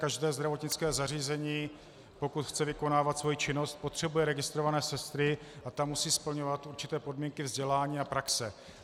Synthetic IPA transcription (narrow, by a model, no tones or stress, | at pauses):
kaʒdɛːzd̪ɾavo̞t̪ɲɪt͡skɛːzariːzɛɲiː | po̞kut̪xt͡sɛvɪko̞naːvat̪svo̞jit͡ʃɪno̞st̪̚po̞t̪r̝̥ɛbujɛɾɛɡɪst̪ɾo̞vanɛːsɛst̪ɾɪʔat̪amusiːspl̩ɲo̞vat̪ʔuɾt͡ʃɪ̥t̪ɛːpo̞dmiːŋkɪvzɟɛlaːɲiːapɾaksɛ